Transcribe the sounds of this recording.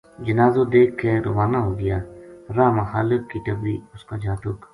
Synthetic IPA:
d͡ʒɪnaːzod̪eːkʰːeɾo̰ːʋaːnaɦoːɡɪjaːɾaːmaxaːlɪkːiʈəbɾiːʊskaːd͡ʒaːt̪ʊk

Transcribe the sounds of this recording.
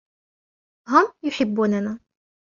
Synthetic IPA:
ɦʊmjʊħɪbːuːnana

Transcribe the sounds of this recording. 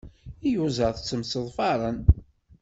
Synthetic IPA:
ijuzəʁθət͡sːəmsəðˤfɑɾˤən

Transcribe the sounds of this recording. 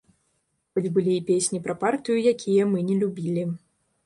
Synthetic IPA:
xɔd͡zʲbɨlʲiːpʲesʲnʲipɾɐpart̪ɨjujakʲijɐmɨnʲɛlʲubʲilʲi

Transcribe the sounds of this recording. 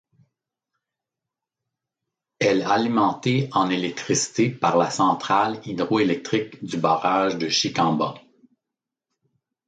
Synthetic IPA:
ɛlalimɑ̃t̪eɑ̃nelɛk̚t̪χisi̥t̪epaʁlasɑ̃t̪χalid̪ʁoelɛk̚t̪χɪkd̪ybaːʁaʒd̪əʃikɑ̃ba

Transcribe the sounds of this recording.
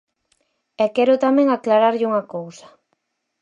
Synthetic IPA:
ɛkɛɾʊt̪amɛ̃ŋaklaɾaɾʎuŋakowsḁ

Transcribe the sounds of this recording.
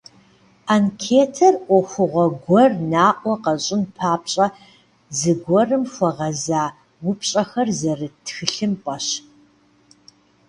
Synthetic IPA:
ankʰeːtʰɐrʔʷɔxʷʊʁʷɔɡɡʷɔrnaːʔʷɔqɐɕʼɪnpʰaːpɕʼɐ | zɨɡʷɔrɨmxʷɔʁɐzaː | wʊpɕʼɐxɐrzɐrɨtʰxɨɬɨmpʼɐɕ

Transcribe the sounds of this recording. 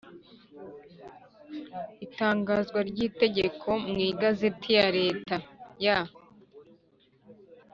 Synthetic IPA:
itaːŋɡaːzɡwaɾɟiːte̞ɟe̞kʰo̞mŋiːɡazetʰijaɾe̞ːtaja

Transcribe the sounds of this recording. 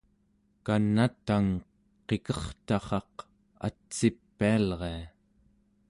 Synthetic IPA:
kanːat̪aŋ | qe̞kʌχt̪ɑχɑq | a̰t͡sːipːialʁe̞a

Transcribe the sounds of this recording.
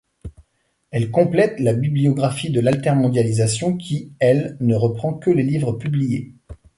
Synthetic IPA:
ɛlkɔ̃plɛt̪labibliɔɡʁafid̪əlalt̪ɛʁmɔ̃d̪jalizasjɔ̃kʲʰiɛlnəʁəpχɑ̃kəlelivʁəpyblije

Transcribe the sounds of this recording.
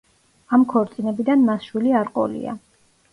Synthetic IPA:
amkʰɔɾt̪sʼinɛbid̪anmasʃwiliaɾqʼɔ̰lḭa̰

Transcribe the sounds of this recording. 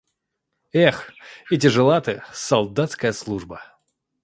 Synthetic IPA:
ɛxɪt̬ʲɪʐɨlˠat̪ɨsɐlˠd̪at̪skəjəslˠuʐbə

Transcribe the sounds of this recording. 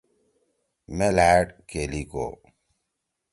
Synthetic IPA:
melaːɖkeliko̰

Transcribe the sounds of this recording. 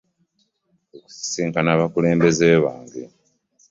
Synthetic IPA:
oku̥si̥siːŋkanaːβakule̞ːmbe̞zeːβaːŋɡe

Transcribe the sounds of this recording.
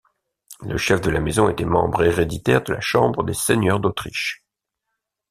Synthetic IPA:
lə̰ʃɛfd̪əlamezɔ̃et̪ɛmɑ̰̃bʁeʁed̪it̪ɛʁd̪əla̰ʃɑ̃bʁəd̪eseɲœʁd̪ot̪χiʃ

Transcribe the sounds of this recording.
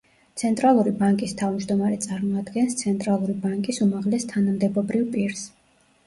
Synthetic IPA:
t̪sʰɛnt̪ʼɾalˠuɾibaŋkʼist̪ʰavmd͡ʒd̪ɔmaɾɛt̪sʼaɾmɔad̪ɡɛnst̪sʰɛnt̪ʼɾalˠuɾibaŋkʼisumaʁlɛst̪ʰanamd̪ɛbɔbɾivpʼiɾs

